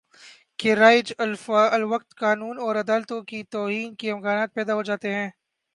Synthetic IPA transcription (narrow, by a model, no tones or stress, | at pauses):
keɾaːɪd͡ʒɐlfaɐlʋɐq̚t̪kaːnuːnɔːɾɐd̪aːlt̪õkit̪ɔːɦiːnkiɪmkaːnaːt̪̚pɛːd̪aɦod͡ʒaːt̪eɦɛ̃ː